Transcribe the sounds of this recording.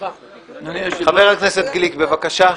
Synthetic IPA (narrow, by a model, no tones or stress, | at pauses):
χave̞ʁhakne̞se̞t̪̚ɡlikbe̞vakaʃa